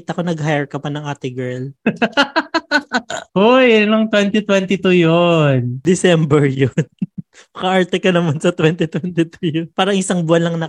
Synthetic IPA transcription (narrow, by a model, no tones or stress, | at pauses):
t̪ɐkonɐɡhajɹkɐpɐnɐŋʔaːt̪ɪŋɡɛɹl | ojnoŋt̪wɛnt̪it̪wɛnt̪ɪt̪ujond̪ɪsɛmbɛɹjon | mɐkɐʔaɹt̪ɛkɐnɐmɐnsɐt̪wɛnt̪ɪt̪wɛnt̪ɪt̪ujonpaːɾɐŋʔɪsaŋbʊɐnlːɐŋnɐ